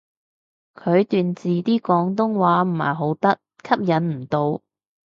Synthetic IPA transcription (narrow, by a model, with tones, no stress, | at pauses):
kʰɵ˨˧ɥt̪yː˨nt͡siː˨t̪iː˥kɔː˨˥ŋt̪ʊ˥ŋwaː˨˥m̩˨˩ma̰ː˨˩jɦo˨˥wt̪ɐ˥t̚kʰɐ˥p̚jɐ˨˥nm̩˨˩t̪o˨˧w